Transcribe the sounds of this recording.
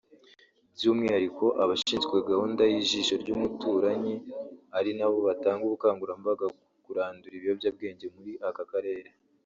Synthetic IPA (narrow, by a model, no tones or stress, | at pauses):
bɟuːmŋiːhaɾiko̞ʔaβaʃiːnzɡwe̞ɡahuːndajiʒiʃo̞ɾɟuːmutuːɾaɲiaɾinaβo̞βataːŋɡuβukaːŋɡuɾambaɡa | kuɾaːnduɾiβijobjab̚ɡe̞ːɲɟe̞muɾiʔakakaɾe̞ːɾe